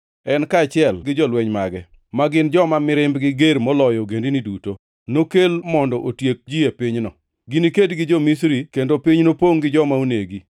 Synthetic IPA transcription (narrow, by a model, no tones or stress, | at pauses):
ɛnkaːt͡ʃɪɛlɡɪd͡ʒɔlweɲmaɡɛ | maɡɪnd͡ʒɔmamɪɾɪmbɡɪɡeɾmɔlɔjɔɡendiniduto | nokelmɔndɔʔotjek̚d͡ʒiepɪɲnɔ | ɡɪnikedɡɪd͡ʒɔmisɾikendopɪɲnopoŋɡɪd͡ʒɔmauneɡi